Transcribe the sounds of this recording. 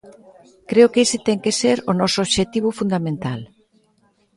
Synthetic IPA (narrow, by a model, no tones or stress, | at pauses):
kɾeokesɪt̪ɛŋkeseɾonɔsoβʃet̪iβ̞ʊfund̪amẽnt̪al